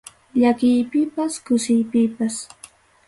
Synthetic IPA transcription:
ʎakɪjpɪpaskʊsɪjpɪpas

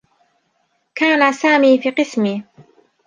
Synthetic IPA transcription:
kaːnasaːmiːfiːqɨsmi

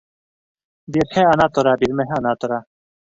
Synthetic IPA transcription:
biɾheɐnat̪oɾaːbiɾmeɦeanat̪oɾa

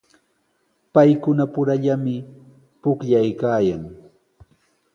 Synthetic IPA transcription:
pajkʊnapʊɾaʎamɪ | pʊkʎajkaːjaŋ

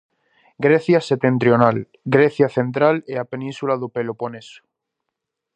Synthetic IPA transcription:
ɡɾeθjaset̪e̞nt̪ɾjonal | ɡɾeθjaθe̞nt̪ɾaleapenĩnsulaðopeloponeso̥

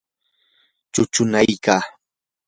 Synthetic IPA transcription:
t͡ʃʊt͡ʃʊnajkaː

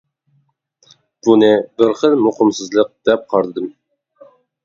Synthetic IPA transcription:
b̥unɨbɪɾχəlˠmuqəmsɨzlˠəq̚d̪̥ɛp̚qʰɑɾt̪ɨd̪ɨm

